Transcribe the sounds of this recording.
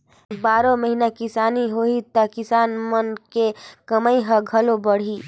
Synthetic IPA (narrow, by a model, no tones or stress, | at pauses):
baɾoməɦinakisaniɦoit̪əkisanmənkekəməjɦəɡʱəlobəɽ̤i